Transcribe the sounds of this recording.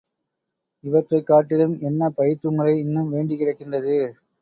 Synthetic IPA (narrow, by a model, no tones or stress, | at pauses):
ɪʋɐʈrɐɪkːaːʈːɪlɯmɛnːɐpɐjɪt͡ʃːɯŋɡɐɭɐɪɪnːɯmʋeːɳɖɪkɪɾɐkːɪndrɐðɯ